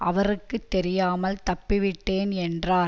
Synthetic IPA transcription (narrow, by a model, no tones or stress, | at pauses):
ʔɐʋɐrɯkːɯt̪ːɛɾɪjaːmɐlt̪ɐpːɪʋɪʈːeːnɛndraː